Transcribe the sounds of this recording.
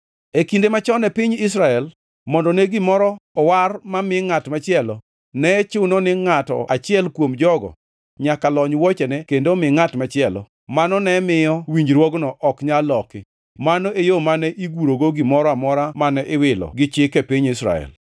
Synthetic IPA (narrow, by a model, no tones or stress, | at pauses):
ekindemat͡ʃɔnɛpiɲɪs̬ɾaɛl | mɔndɔnɛɡɪmɔɾɔɔwarmamɪŋatmat͡ʃɪɛlɔ | nɛt͡ʃʊnɔnɪŋatɔ̰ʔat͡ʃɪɛlkwomd͡ʒɔɡɔ̰ | ɲakalɔɲwɔt͡ʃɛnɛkendomɪŋatmat͡ʃɪɛlɔ̰ | manɔnɛmɪjɔwiɲd͡ʒɾwɔɡnɔʔɔkɲalɔkɪ | manoejomanɛʔiɡuɾoɡoɡɪmɔɾɔamɔɾamanɛʔɪwɪlɔ̰ɡɪt͡ʃɪkepiɲɪsɾa̰ɛ̰l